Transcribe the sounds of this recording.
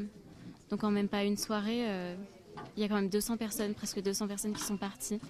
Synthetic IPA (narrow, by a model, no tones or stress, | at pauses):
d̪̥ɔ̃kɑ̃mɛmpaynswaʁeø | iljakɑ̃mɛmd̪øsɑ̃pɛʁsɔnpχɛskəd̪øsɑ̃pɛʁsɔnkʲi̥sɔ̃paʁt̪i